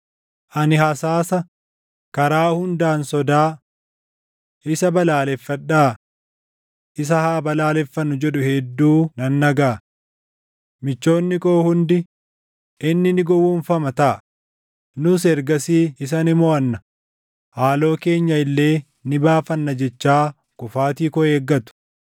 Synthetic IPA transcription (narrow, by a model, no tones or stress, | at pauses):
ʔɐnɪhɐsaːsɐ | kɐɾaːhʊnd̪aːnsɔd̪aː | ʔɪsɐbɐlaːlɛfːɐᶑaː | ʔɪs̬ɐhaːbɐlaːlɛfːɐnːʊd͡ʒɛᶑʊhɛd̪ːuːnɐnːɐɡaː | mɪt͡ʃːo̞ːnːɪkʼo̞ːhʊnd̪ɪ | ʔɪnːɪnɪɡɔwːunfɐmɐt̪ɐʔɐ | nʊs̬ɛɾɡɐsiːɪs̬ɐnɪmɔɐnːɐ̥ | haːlo̞ːke̞ːɲːɐɪlːe̞ː | nɪbaːfɐnːɐd͡ʒɛt͡ʃːaː | kʊfaːt̪iːkɔe̞ːɡːɐt̪ʊ̥